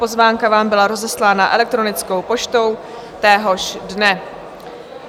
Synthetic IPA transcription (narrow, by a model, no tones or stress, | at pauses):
po̞zvaːŋkavaːmbɪlaɾo̞zɛslaːnaʔɛ̰lɛk̚t̪ɾo̞nɪt͡sko̞wpo̞t͡ʃt̪o̞w | t̪ɛːɦo̞ʃdnɛ